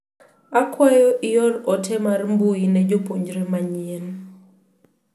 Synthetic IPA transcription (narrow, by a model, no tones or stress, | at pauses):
akwajɔʔɪjɔlɔtʰɛmarmbuinɛd͡ʒopoɲd͡ʒɾemaɲɛn